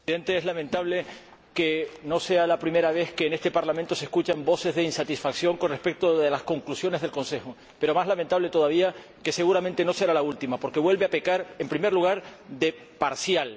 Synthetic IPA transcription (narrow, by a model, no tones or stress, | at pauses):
ðent̪eezlamẽnt̪aβ̞le | keno̞se̞alapɾime̞ɾaβ̞e̞ske̞ːne̞st̪e̞paɾlamẽnt̪o̞se̞skut͡ʃambo̞se̞zðe̞insat̪isfaksjo̞ŋko̞nrespe̞k̚t̪oðelasko̞ŋklusjo̞ne̞zð̞elko̞nse̞xo | pe̞ɾo̞mazlamẽnt̪aβle̞t̪o̞ðaβia | ke̞se̞ɣuɾamẽ̞nt̪e̞no̞se̞ɾalault̪imapo̞ɾke̞βwe̞lβeape̞kaɾe̞mpɾime̞ɾluɣ̞aɾðe̞ | paɾsjal